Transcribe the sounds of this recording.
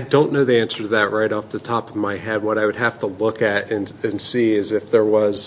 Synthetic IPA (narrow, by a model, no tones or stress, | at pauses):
aɪdõʊ̃nːoʊðiæ̃nsə˞ðɨʔ̚ɹaɪɾɔfðɨtʰɑpʌvmaɪhɛd̚wʌɾaɪwɨd̚ɦæftʰəlʊkɨɾɨ̃nɨ̃nsiɪzɨfðə˞wʌz̥